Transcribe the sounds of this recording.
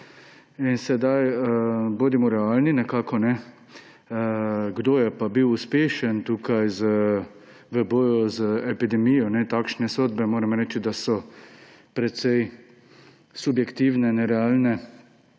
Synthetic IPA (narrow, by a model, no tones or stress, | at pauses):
insɛd̪ajəboːd̪imɔɾɛaːlninɛkaːkɔnɛ | əɡd̪oːjɛpabiwuspeːʃənt̪uːkajzə | ʋəbɔːjɔzəɛpid̪ɛmijɔnɛt̪aːkʃnɛsoːd̪bɛmoːɾɛmɾɛːt͡ʃid̪asɔ | pɾɛt̪sɛj | subjɛkt̪iːwnɛnɛɾɛaːlnɛ